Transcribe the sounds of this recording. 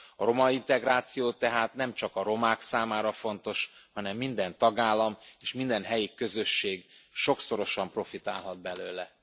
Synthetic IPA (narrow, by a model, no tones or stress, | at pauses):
ɒɾo̞mɒint̪ɛɡraːt̪sijoːt̪ɛɦaːt̪nɛmt͡ʃɒkɒɾo̞maːksaːmaːɾɒfo̞nt̪o̞ʃhɒnɛmːind̪ɛnt̪ɒɡaːlːɒmeːʃmind̪ɛnɦɛjikø̞zø̞ʃːeːɡʃo̞kso̞ɾo̞ʃɒmpro̞fit̪aːlɦɒd̪̚bɛløːlɛ